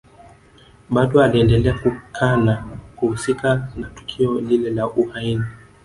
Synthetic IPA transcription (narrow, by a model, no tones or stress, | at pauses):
ɓaɗɔaliɛndɛlɛakukʰanakuhusikanatu̥kʰiɔlilɛlaʔuhaini